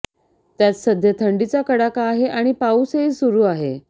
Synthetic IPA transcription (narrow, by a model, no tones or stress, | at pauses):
t̪jat͡ssəd̪ʱjət̪ʰəɳɖit͡sakəɽakaːɦeʔaɽ̃ipauseɦiːsuɾuːaɦe